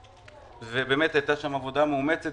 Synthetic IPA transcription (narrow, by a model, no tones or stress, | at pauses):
vebeːmet̪hajt̪aʃamavo̞d̪ameumet͡set